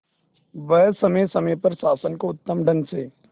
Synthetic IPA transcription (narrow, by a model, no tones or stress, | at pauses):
ʋɐjsɐmesɐməjpɐɾsaːsənkoʊt̪ːəmɖʱɐnseː